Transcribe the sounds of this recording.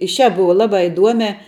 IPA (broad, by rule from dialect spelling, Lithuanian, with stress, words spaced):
ɪ ʃʲæːp ˈbʊʋɐ ˈlˠɑːbɑː ɪˈduɔmʲæː